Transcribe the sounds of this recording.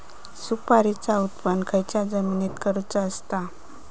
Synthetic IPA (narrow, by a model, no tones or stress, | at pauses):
supaɾit͡saut̪pənkʰəjt͡ɕjad͡zəminet̪kəɾut͡səəst̪a